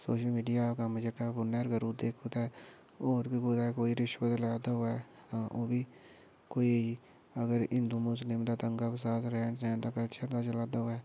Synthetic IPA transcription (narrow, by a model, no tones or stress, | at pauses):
soːʃəlmiːɖijakaməd͡ʒəkabʊneɾɡəɾud̪eːkʰoːt̪aɛ | oːɾbʱikoːt̪aɛkoːiɾɪʃʋət̪laːd̪aoɛ | ʔobʱi | koːi | əɡəɾɪ̃nd̪umʊs̬lɪmd̪at̪ə̃ŋɡapesaːt̪ʰɾɛːɳʈɾɛ̃ːɳt̪akəlt͡ʃəɾd̪at͡ʃəlaːd̪aɦoaɛː